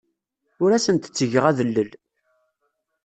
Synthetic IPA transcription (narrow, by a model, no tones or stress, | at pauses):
ʊɾæsənt̪ə̥t͡sːəʝəʁæðəlːəl